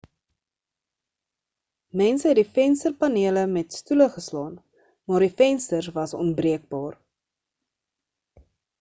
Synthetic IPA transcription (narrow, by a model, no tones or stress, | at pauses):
mɛnsəɦɛt̚difɛnstərpɐniələmɛtstuləχəslɑːn | mɑːrdifɛnstərsvɐsɔ̰nbriək̚bɑːr